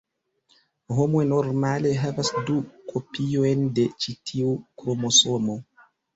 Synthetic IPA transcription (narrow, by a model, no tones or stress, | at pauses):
ɦomojnoɾmaleɦɛvasdukʰopʰiojndet͡ʃitʰiukɾomosomo